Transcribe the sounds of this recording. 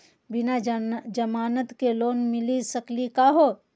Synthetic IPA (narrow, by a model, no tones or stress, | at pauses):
bɪnad͡ʒɐmaːnət̪keloːnmɪlisəklikaːɦoː